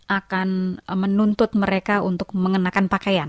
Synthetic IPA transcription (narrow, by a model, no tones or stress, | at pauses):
ʔakanmənunt̪ʊt̪̚məɾekaunt̪ʊk̚məŋənakanpakajan